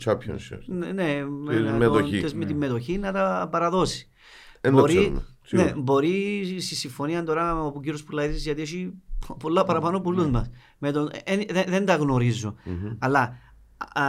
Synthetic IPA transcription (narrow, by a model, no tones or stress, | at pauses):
t͡ʃɐpço̰n̰nneeet̪ot̪ezmet̪imːe̞t̪o̞çinɐt̪ɐpɐɾɐðo̞si̥ | nb̪oɾsim̰ | nebo̞ɾist̪isːiɱfo̞niɐnd̪o̞ɾɐopuɟiɾjo̞spulːɐitizʝɐt̪io̞ʃipolːɐpɐɾɐpɐnopulːuzmɐs | met̪onnðeðend̪ɐɣno̞ɾizːoɐlːɐ